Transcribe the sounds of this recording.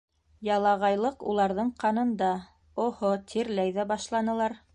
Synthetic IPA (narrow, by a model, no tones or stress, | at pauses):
jɑlˠɑʁɑjlˠɤqulˠɑɾðɤɴqɑnɤ̆nd̪ɑ | ohot̪ʰiɾlæjðæbɑʃlˠɑnɤ̆lˠɑɾ